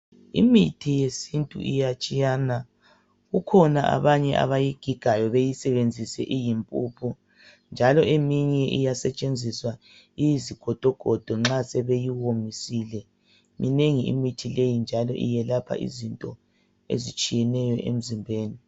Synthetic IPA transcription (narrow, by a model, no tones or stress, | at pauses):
ḭmitʰijesintʼṵʔijat͡ʃʼijaːna | ɣukʰɔnaʔa̰βaɲɛ̰ʔa̰βajiɡ̥ʱiɡ̥ʱajɔβejisɛβend͡zʱisɛʔijimpʼupʰu | nd͡ʒʱalɔʔemiɲɛʔijasɛt͡ʃʼend͡zʱiswa | ijiziɡ̥ʱɔd̥ʱɔɡ̥ʱɔd̥ʱɔŋ͡ǁasɛβejiwomisilɛ | mineŋiḭmitʰilejind͡ʒʱalɔ̰ʔḭjɛlapʰa̰ʔḭzintʼɔ̰ | ḛzit͡ʃʼijɛnɛjɔʔḛm̩zimbʱeːni